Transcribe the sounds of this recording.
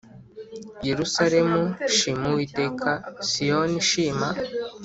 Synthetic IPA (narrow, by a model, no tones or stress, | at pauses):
jeɾusaɾemuʃimuwitekʰasijoniʃima